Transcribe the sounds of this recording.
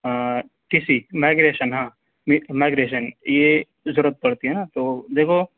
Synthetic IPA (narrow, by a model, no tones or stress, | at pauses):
ʈisimaːɪɡɾeːʃənɦãː | mmaɪɡɾeːʃ̬ənje | zʊɾət̪̚pɐɽt̪iɦɛnat̪od̪eːkʰo